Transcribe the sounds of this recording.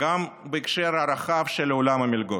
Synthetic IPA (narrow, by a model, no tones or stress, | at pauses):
ɡambəikʃeɾhaɾaχavʃelolamamʲilɡo